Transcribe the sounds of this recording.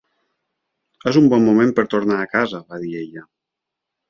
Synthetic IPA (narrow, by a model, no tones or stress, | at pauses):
ezumbɔmːomẽmpəɾt̪oɾnaːkazaβaðieʎə